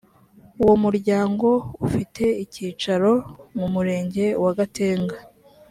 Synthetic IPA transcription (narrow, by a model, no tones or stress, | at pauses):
uwo̞muɾɟaːŋɡo̞ufitʰe̞iciːt͡ʃaɾo̞mumuɾe̞ːɲɟe̞waɡate̞ːŋɡa